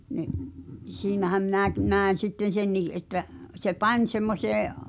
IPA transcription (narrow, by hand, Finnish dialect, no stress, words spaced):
niʔ siːnæhæm minæˑki næˑen̞ sitːen senːiː ʔetːæ se pɑnʲ semːoseː